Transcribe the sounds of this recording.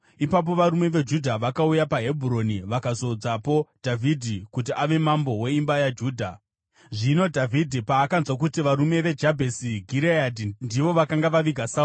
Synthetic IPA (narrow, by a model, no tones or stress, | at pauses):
ipap̬o̞ʋaɾume̞ʋe̞d͡ʒudʱaʋakaujapaɦe̞bʱuɾo̞niʋakazo̞d͡zapo̞d̥ʱavʱidʱikut̬iʔaʋe̞mambo̞we̞imbajad͡ʒuːdʱa | ʐino̞dʱavʱidʱipaːkanzwak̬utiʋaɾume̞ʋe̞d͡ʒabʱe̞siɡʱiɾeadʱindiʋo̞ʋakaŋɡaʋaʋiɡʱasa